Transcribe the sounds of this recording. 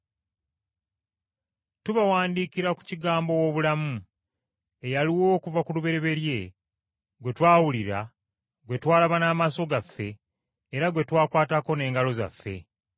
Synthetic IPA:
tuβawaːndiːkiɾaku̥ciɡaːmbo̞wo̞ːβulamu | e̞jaliwo̞ːkuvakuluβe̞ɾe̞βe̞ɾje̞ | ɡwe̞twaːwuliɾa | ɡwe̞twaːlaβanaːmaso̞ɡafːe̞ː | ɾaɡwe̞twaːkwaːtako̞ne̞ːŋɡalo̞za̰fːe̞̰

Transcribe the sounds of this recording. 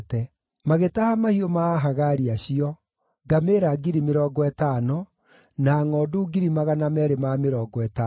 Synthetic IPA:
tɛ | maɣetahamahiomaːɦaɣaɾiaɕiɔ | ɡameːɾaɡiɾimeɾɔːɡɔɛtaːnɔ | naːŋɔːduɡiɾimaɣanamɛɾemameɾɔːɡɔɛta

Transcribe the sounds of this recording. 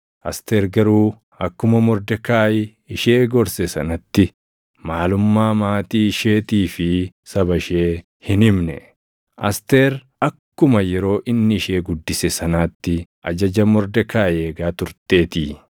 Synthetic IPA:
ʔɐst̪eːɾɡɐɾuː | ɐkːʊmɐmɔɾd̪ɛkaːjɪ | ɪʃe̞ːɡɔɾsɛsɐnɐt̪ːɪ | maːlʊmːaːmaːt̪iːʃe̞ːt̪iːfɪ | sɐbɐʃeː | hɪnɪmnɛ̰ | ʔɐ̰st̪eːɾ | ɐkːʊmɐjɛɾo̞ːʔɪnːɪːʃe̞ːɡʊd̪ːɪsɛsɐnaːt̪ːɪʔɐd͡ʒɐd͡ʒɐmɔɾd̪ɛkaːjeːɡaːt̪ʊɾt̪e̞ːt̪iː

